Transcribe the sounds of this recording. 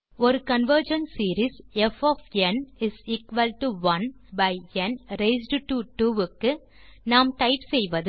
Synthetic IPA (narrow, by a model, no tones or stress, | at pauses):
ɔɾɯkɐnʋəɾd͡ʒɐnsiːɾisɛfɔːfɛnɪsiːkʋɐlʈuʋɐnbɐɪɛnɾeɪs̬ɖʈuʈuːɪkːɯ | naːmt̪ɐɪpsɛjʋɐðɯ